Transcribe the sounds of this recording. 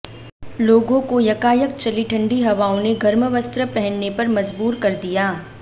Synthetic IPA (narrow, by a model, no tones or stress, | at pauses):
loːɡõkojɐkaːjək̚t͡ʃɐliʈʰɐ̃ɳɖiɦɐʋaːõneɡʱɐɾməʋəst̪ɾəpɛɦə̃nnepɐɾmɐzbuːɾkɐɾd̪ijaː